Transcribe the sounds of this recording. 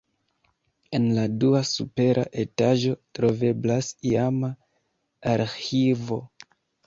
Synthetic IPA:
e̞nladuasupe̞ɾʔa̰ʔe̞taʒo̞tɾo̞ve̞blasiamaː | ɾhivo̞

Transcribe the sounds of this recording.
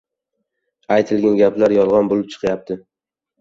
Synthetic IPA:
ajt̪ʰɪlɡʲanɡʲaplaɾjɒlˠʁɒnbolɪp̚t͡ʃʰɨ̥qʰjap̚t̪ʰɪ

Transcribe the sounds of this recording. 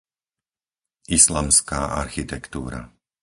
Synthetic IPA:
ʔislamskaːʔaɾxit̪ɛkt̪ṵːɾa̰

